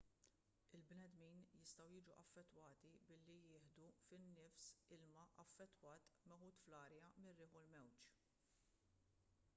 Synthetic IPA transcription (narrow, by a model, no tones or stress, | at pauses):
ɪlbnɛd̪miːnjɪst̪ɐwjɪːd͡ʒuʔɐfːɛt̪ːwɐːt̪ibɪlːijɪːħd̪ufɪnːɪfsɪlmɐʔɐfːɛt̪ːwɐːt̪mɛħuːt̪flɐːɾjɐmɪrːɪːħʊlmɛwt͡ʃ